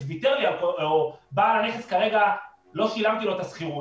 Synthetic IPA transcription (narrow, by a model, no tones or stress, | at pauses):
zvit̪eʁliakoobaːlane̞χeskaʁe̞ɡa | lo̞ʃilamt̪ilo̞et̪asχiʁu